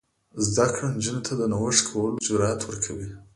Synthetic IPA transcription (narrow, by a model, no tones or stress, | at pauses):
zd̪akɽand͡ʒinot̪ʰad̪ənawəʂkʰawəlod͡ʒʊɾɑat̪ʰwəɾkʰawi